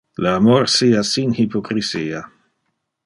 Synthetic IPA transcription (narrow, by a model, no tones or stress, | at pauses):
laːmoɾsiasinhipokɾisiːa